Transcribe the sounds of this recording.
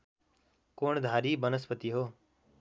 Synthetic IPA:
koːɳd̪ʱaːɾiːbənəspət̪iɦoː

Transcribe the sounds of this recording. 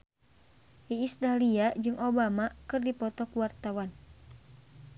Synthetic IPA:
hiːst̪aliad͡ʒɨŋobamakɨrdipɔt̪ɔkuwart̪awan

